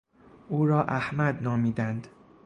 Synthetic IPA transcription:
ʔuːɾɒːʔæhmæd̪nɒːmiːd̪ænd̪

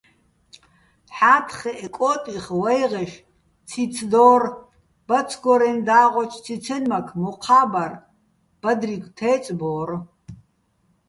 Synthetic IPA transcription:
ħaːtʰχɛʔɛkʷʼɔtʼiχwɛjʁɛʃ | t͡sʰit͡sʰd̪ɔːr | b̥ɐt͡sʰɡɔɾɛnd̪aːʁʷɔt͡ʃʰt͡sʰit͡sʰɛnmɐkʰmuqʰaːbɐr | b̥ɐd̪riɡʷʼt̪ʰɛːt͡sʼbɔːr

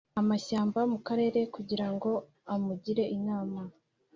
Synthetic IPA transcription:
amaʃaːmbamukaɾe̞ːɾe̞kuɟiɾaŋɡo̞ | amuɟiɾe̞ʔinaːma

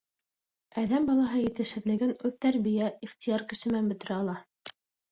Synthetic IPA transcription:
æðæmbɑlˠɑɦɤjɘ̆t̪ɘʃhɘ̆ðlɘ̆ɡɘnʉðt̪æɾβijæiχt̪ijɑɾkɘ̆ʃɘ̆mænbɵ̆t̪ɘ̆ɾæɑlˠɑ

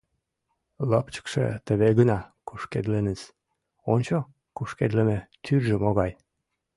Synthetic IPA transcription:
ləpt͡ɕə̥kʃḛt̪əβeɣənɑkuʃkḛd̪lenət͡s | onʲt͡ɕo | kuʃked̪ləmet̪yrʒəmoɣɑj

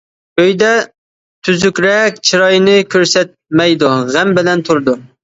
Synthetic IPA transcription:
øjd̪ɛ | t̪ʰyzykʲɾɛkʲt͡ʃʰiɾɑjnɪkʲʰøɾsɛt̪̚mɛjd̪uʁæmbɪlɛnt̪ʰuɾd̪u

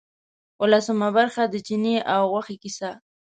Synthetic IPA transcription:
walasʊmabaɾχad̪ət͡ʃɪniʔawwaχɪkɪsa

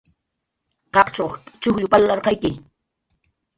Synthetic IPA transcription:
qɑqt͡ʃowt͡ʃʊxʎʊpalːɑɾqɑjkɪ

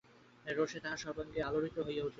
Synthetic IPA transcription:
ɾoʃet̪ãʃɔboŋɡealoɾit̪oɦojeut͡ɕʰi

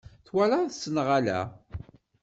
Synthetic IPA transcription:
θwalaθsːənʁalæ̰

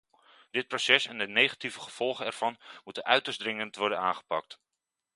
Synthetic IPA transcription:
d̥ɪt̚prosɛsɛndənejχativəχəv̥ɔlˠχənɛɹv̥ɑnmutənœɥtəzdrɪŋəntʋɔɹdənaːnχə̥pɑk̚t

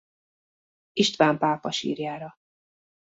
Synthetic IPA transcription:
iʃt̪ʋaːmpaːpɒʃḭːrjaːɾɒ

